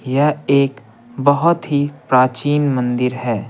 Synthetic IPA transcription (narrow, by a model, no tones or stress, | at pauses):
jɐeːk | bɐɦʊt̪ɦipɾaːt͡ʃiːnmə̃nd̪ɪɾɦɛː